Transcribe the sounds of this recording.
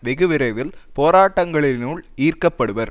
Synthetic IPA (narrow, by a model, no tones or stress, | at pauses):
ʋɛɣɯʋɪɾɐɪʋɪlpoːɾaːʈːɐŋɡɐɭɪnuːɭiːrkɐpːɐɽɯʋɐɾ